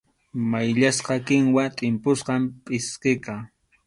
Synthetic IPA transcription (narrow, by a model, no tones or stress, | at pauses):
majʎasqɑkɪŋwat̪ʼɪmpʊsqɑmpʼɪsqɪkɑ